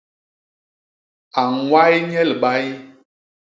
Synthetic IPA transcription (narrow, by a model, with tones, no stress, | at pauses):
a˨wa˦jɲɛ˦lɓa˦ji˦